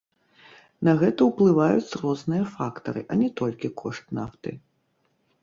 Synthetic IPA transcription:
nɐɣɛt̪ɐwplˠɨvajut͡sʲrɔznɨjɐfakt̪ɐ̰ɾɨ̰ʔɐnʲɛt̪ɔlʲkʲikʰɔʂt̪naft̪ɨ̰

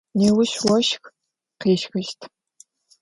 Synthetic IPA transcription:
neːwʊʃwɔʃx | qeːʃxɨʃtʰ

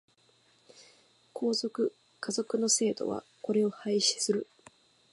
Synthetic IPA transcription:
kʰo̞ːzo̞kɯ̟ | kazo̞kɯ̟no̞se̞ːd̪o̞̰βa̰ko̞ɾe̞o̞haiɕi̥sɨɾɯ̟

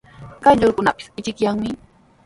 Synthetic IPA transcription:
kajʎʊɾkʊnapɪ̥sɪt͡ʃɪkjaŋmɪ

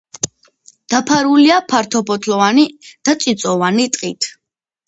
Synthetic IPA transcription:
d̪̥apʰaɾuliapʰaɾt̪ʰɔpʰɔt̪ʰlɔvanid̪̥at̪t͡ʃ̪ʼit̪sʼɔvanit̪ʼqʼḭt̪ʰ

